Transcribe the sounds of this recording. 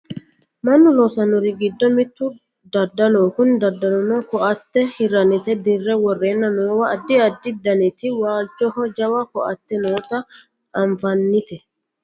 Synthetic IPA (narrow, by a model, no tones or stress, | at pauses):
mɐnːʊloːsɐnʊɾɪɡɪd̪ːɔmɪt̪ːʊ | d̪ɐd̪ːɐloːkʊnd̪ɐd̪ːɐlɔnɔkɔʔɐt̪ːɛhɪɾɐnɪt̪ɛd̪ɪrːɛwɔrːe̞ːnːɐnoːwɐːd̪ːɪɐd̪ːɪd̪ɐnɪt̪ɪwaːlt͡ʃɔhɔd͡ʒɐwɐkɔʔɐt̪ːɛnoːt̪ɐ | ɐɱfɐnːɪt̪ɛ